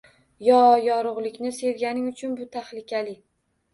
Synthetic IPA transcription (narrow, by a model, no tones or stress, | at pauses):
jɒjɒɾʊʁlˠɪkʲnɪse̞ɾɡʲanɪŋʊt͡ʃʰʊnbʊt̪ʰaχlɪkʲʰalɪ